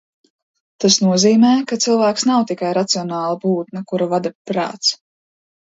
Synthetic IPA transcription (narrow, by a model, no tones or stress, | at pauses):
t̪asnuɔziːmɛːkat̪silˠvæːksnawt̪ikajɾat̪siɔnɑːlˠabuːt̪nɐkuɾavad̪apɾa̰ːt̪s